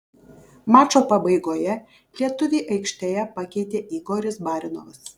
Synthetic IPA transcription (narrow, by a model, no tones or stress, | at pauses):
mɑːt͡ʃoːpɐbɐɪɡoːjɛ | lʲiɛt̪ʊʋʲeːʔɐɪkʃʲt̪ʲeːjɛpɐkʲɛɪt̪ʲeːʔiɡoːɾʲɪsbɑːɾʲɪnɔ̰ːʋɐs